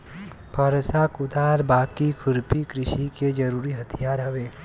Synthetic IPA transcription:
pʰɐɾsakʊd̪aːɾbaːkikʰʊɾpikɾɪʃiked͡ʒɐɾuːɾiɦɐt̪ʰijaːɾɦɐʋeː

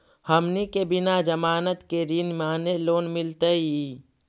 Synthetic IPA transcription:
həmnikebɪnad͡ʒəmaːnət̪keɾinmaːneloːnmɪlt̪əi

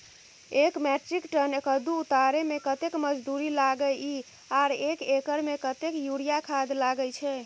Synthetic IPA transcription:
ekmɛʈɾikʈənekəd̪uːt̪aɾemekət̪ekməd͡ʒd̪uɾilaɡəi | aɾekekəɾmekət̪ekjuɽijakʰad̪laɡət͡ʃʰɛ

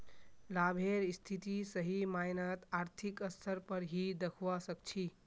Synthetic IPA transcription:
labʱeɾist̪ʰit̪isəɦimajnət̪aɾt̪ʰikəsʰəɾpəɾɦid̪əkʰʋasək̚t͡ʃʰi

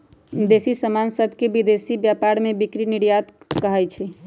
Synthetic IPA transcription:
d̪esisəmansəbʱkebid̪esibjapaɾmẽbikɾiniɽjat̪kəɦajt͡ʃʰɛ

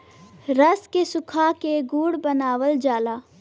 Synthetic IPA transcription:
ɾəskesʊkʰakeɡuːɽbənaːwəld͡ʒaːlaː

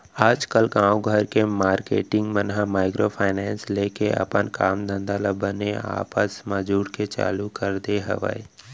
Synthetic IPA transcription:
aːd͡ʒkəlkãːũɡʱəɾkemaːɾkḛːʈɪ̃ŋɡmənɦamaːɪkɾopʰaːɪnɛːnsleːkeʔɐ̰pənkaːmd̪ə̃nd̪aləbənea̰ːpəsmad͡ʒuːɾket͡ʃa̰ːlukəɾd̪eɦə̰ʋə̰e

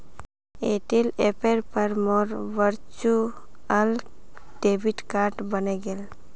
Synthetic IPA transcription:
eʈilepeɾpəɾmɔɾʋəɾt͡ʃu | əl | ɖebiʈkaɾʈbəneɡel

